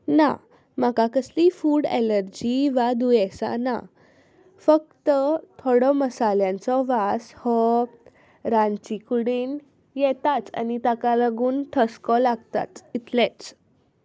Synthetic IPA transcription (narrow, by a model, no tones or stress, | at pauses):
na̰ | makakəslifuːɽḛləɾd͡ʑiʋad̪ujɛsa̰na̰ | fək̚t̪ət̪ʰoɽɔməsaljãnt͡sɔʋashɔ | ɾãnt͡ɕikuɽiːn | jɛt̪at͡sa̰nit̪akalaɡuːnʈ̪ʰəskɔlaɡt̪a̰t͡s̪it̪lɛ̃t͡s